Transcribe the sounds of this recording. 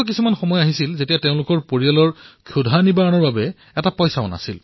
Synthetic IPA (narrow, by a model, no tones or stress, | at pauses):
k̬isumanxɔmɔjaɦisilzetijateʊ̃lʊkɔɹpoɹialɔɹkʰudʱanibaɹɔnɔɹbabɛ | ɛtapɔjsaɔ̰na̰sil